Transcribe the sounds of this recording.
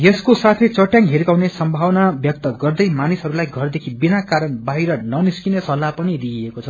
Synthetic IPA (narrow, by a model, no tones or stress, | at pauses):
jeskosat̪ʰejt͡sʌʈjaŋɦiɾkawnesʌmbʱawnabjʌk̚t̪ʌɡʌrd̪ʌjmanisɦʌɾulajɡʱʌrd̪ekʰibinakaɾʌnbaɦiɾʌnʌniskinesʌlːapʌnid̪iekot͡sʰʌ